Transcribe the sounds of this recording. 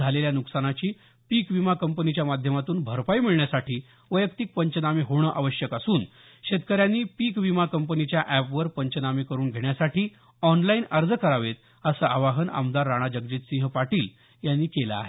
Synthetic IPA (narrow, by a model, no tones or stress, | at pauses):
aleljanuksanat͡ɕiː | pikʋimakəmpənit͡ɕjamad̪ʱjəmat̪uːnbʱəɾpaimiɭɳjasaʈʰiː | ʋəjəkt̪ik̚pəɲt͡ɕənamiɦoɽ̃əʔaʋəɕjəkasuːn | ɕet̪kəɾjanːiːpikʋimakəmpənit͡ɕjaʔæpʋəɾpəɲt͡ɕənamiːkəɾuːnɡʱeɳjasaʈʰiː | ɔnlainəɾd͡zəkəɾaʋet̪̚ | əsəʔaʋaɦəna̰md̪aɾːaɽ̃ad͡ʑəɡ̚d͡ʑiːt̪sĩɦəpaʈiːl | janːiːkelaa̰ɦe